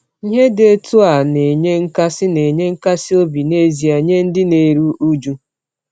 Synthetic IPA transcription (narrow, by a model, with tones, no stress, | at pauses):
ɦe˦de˦tu˦a˨ne˨ɲe˦ŋ̩˦ka˦sɪ˦ne˨ɲe˦ŋ̩˦ka˦sɪ˦o˦bi˨ne˦zi˨a˨ɲe˦n̩˦dɪ˦ne˨ɾu˦ʔu˦d͡ʒu˦